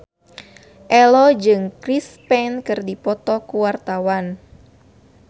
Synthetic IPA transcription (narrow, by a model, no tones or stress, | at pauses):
ʔɛlɔd͡ʒɨŋkɾispɛnkɨrdipɔt̪ɔkuwart̪awan